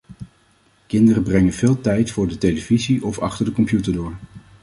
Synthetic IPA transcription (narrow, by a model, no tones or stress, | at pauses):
kɪndərəbrɛŋənvɪːlˠtɛjtfʊːɹdətejləviziʔɔfɑ̰χtəɹdəkɔmpjutəɹdʊːɹ